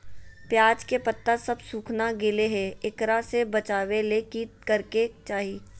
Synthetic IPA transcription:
pjaːd͡ʒkepɐt̪ːasɐbsuːkʰnaɡɪleɦɛɪkɾasebɐt͡ʃaːwelekiːt̪̚kɐɾket͡ʃaːɦiː

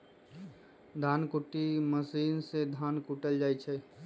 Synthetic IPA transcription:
d̪ʱankuʈiməsiːnsed̪ʱankuʈəld͡ʒaːjt͡ʃʰɛ

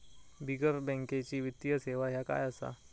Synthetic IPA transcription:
biɡəɾbɛ̃ŋket͡ɕiːʋit̪ːjəseʋaɦjaka̰jəsa̰

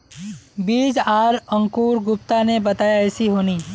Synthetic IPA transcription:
biːd͡ʒaːɾə̃ŋkuːɾɡʊp̚t̪anebɐt̪aːjaɛːsiɦoːniː

